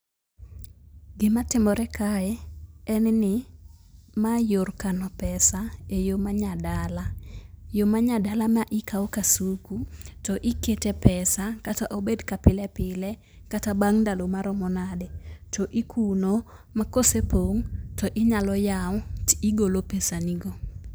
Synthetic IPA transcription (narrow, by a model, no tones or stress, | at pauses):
ɡɪmatɪmɔɾɛkʰaɛɛnnɪ | majorkanɔpɛsaejomaɲadalajomaɲadalamaʔɪkawkasukutɔʔɪketepɛsakataʔobedkapɪlɛpɪlɛ | katabaŋndalomaɾɔmɔnadɛtɔʔikʰunomakosepoŋtɔʔɪɲalɔjawiɡolopesaniɡo